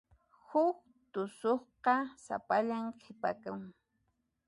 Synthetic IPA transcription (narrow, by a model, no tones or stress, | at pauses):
hʊk | t̪ʊsoχqɑsa̰paʎamqʰɪpakaŋ